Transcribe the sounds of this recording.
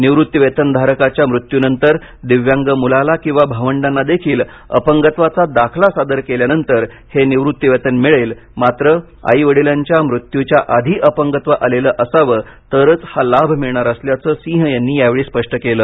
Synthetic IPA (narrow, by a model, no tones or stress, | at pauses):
niʋɾut̪ːjəʋet̪ənd̪ʱaɾəkat͡ɕjamɾut̪junənt̪əɾ | d̪iʋjaŋɡəmulalakĩw̃ʋabʱaʋəɳɖanːad̪ekʰiːl | ə̰pəŋɡət̪ʋat͡sad̪akʰlasad̪əɾkeljanənt̪əɾ | heniʋɾut̪jəʋet̪ənmiɭel | mat̪ɾə | a̰iʋəɽiljaɲt͡ɕjamɾut̪jut͡ɕjaʔad̪ʱiːʔəpəŋɡət̪ʋəʔaleləːʔəsaʋəː | t̪əɾət͡shalabʱmiɭɳaɾəsljat͡səːsĩɦəjanːiːjaʋeɭiːspəʂʈəkeləː